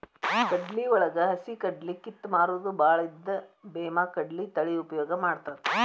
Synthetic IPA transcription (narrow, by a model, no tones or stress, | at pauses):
kɐɖliɔɭɐɡɐɦɐsikɐɖlikit̪ːmaːɾuːd̪ubaːɭɐid̪ːɐbeːmaːkɐɖlit̪ɐɭiupɐjɔːɡɐmaːɽt̪aːt̪